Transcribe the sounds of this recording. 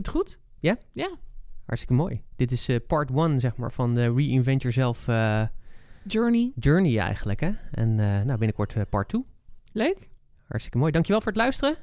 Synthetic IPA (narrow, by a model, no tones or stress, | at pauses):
tχut | jajahɑ̰ɹtstɪkəmoːjd̥ɪtɪsəpɑːɹtwɑnzɛχma̰ːɹvɑnɹiɪnvɛntjɔːɹzɛlˠfə | d͡ʒøɹnid͡ʒøːɹniɛ̰jχənləkɦɛʔɛ̰nənawbɪnəkɔɹtəpɑ̰ɹtʰuløɥk | hɑ̰ɹtstɪ̥kəmoːjdɑŋkjəʋɛlˠvʊːɹətlœɥstərə